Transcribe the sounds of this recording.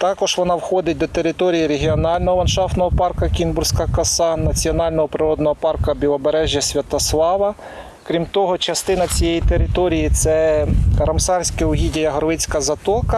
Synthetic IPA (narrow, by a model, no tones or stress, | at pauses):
t̪ɑkɔʒ̥ʋɔnɑwxɔd̪ɪt̚ʲd̪ɔt̪eɾɪt̪ɔɾʲijiɾeɦʲiɔnɑlʲnɔɦɔʋɐnʃɑft̪nɔɦɔpɑrkɐkʲinbʊrsʲkɐkɐsɑnɐt͡sʲiɔnɑlʲnɔɦɔpɾɪɾɔd̪nɔɦɔpɑrkɐbʲilˠɔbeɾɛʒʲjɐsʲʋʲɐt̪ɔslˠɑʋɐ | kɾʲimt̪ɔɦɔt͡ʃɐst̪ɪnɐt͡sʲijejit̪eɾɪt̪ɔɾʲijit̪sɛɾɐmsɑrsʲkɪʊɦʲidʲɐjɐɦɔɾʋɪt͡sʲkɐzɐt̪ɔkɐ